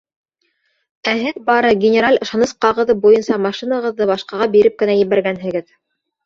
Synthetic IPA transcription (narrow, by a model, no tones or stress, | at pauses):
æɦɘðbɑɾɤɡʲɪnʲɪɾalʲɤ̆ʃɑnɤsqɑʁɤ̆ðɤbujɤnsɑmɑʃinɑʁɤ̆ðːɤbɑʃqɑʁɑbiɾɘp̚kɘ̆næjɘ̆βæɾɡænɦɘ̆ɡɘð